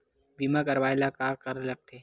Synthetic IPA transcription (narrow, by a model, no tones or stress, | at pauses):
biːmak̬ɐɾʋaːjlakaːkɐɾlɐɡ̚t̪ʰeː